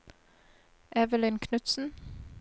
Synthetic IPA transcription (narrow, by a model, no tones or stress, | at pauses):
ʔɛʋəlɪnkʰnʉt̪sn̩